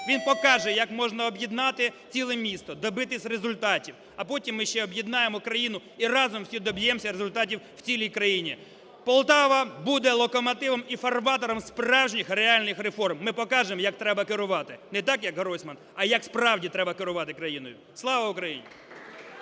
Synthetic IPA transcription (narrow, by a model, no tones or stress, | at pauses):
ʋʲinpɔkɑʒɛjɐkmɔʒnɐɔbjid̪nɑt̪ɪt͡sʲilˠɛmʲist̪ɔd̪ɔbɪt̪ɪsʲrezʊlʲt̪ɑtʲiw | ɐpɔtʲimːɪʃt͡ʃɛɔbjid̪nɑjemɔkɾɐjinʊ | irɑzɔmwsʲid̪ɔbʲjɛmɔsʲɐɾezʊlʲt̪ɑtʲiww̥t͡sʲilʲijkɾɐjinʲi | pɔlˠt̪ɑʋɐbud̪ɛlˠɔkɔmɐt̪ɪʋɐmifɐrʋɑt̪ɔɾɔmsprɑwʒnʲixreɑlʲnɪxɾefɔrmːɪpɔkɑʒemɔjɐk̚t̪ɾɛbɐkɪɾʊʋɑt̪ɪnɛt̪ɑkjɐkɦɾɔsʲmɐnɐjɐkspɾɑwdʲit̪ɾɛbɐkɪɾʊʋɑt̪ɪkɾɐjinɔjʊ | slˠɑʋɐʊkɾɐjḭnʲi